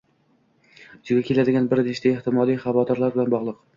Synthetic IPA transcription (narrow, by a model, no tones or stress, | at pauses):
ʊt͡ʃ̪ɪɡʲakʲʰelad̪ɪɡʲanbɪɾneʃt̪aeht̪ɪmɒlˠijχɑvɒd̪ɒɾlaɾbɪlanbɒʁlˠɨq